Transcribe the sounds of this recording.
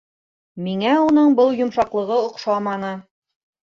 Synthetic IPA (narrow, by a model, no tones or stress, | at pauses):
miŋæunɤɴbɤlˠjŏmʃɑqlˠɤ̆ʁɤŏqʃɑmɑnɤ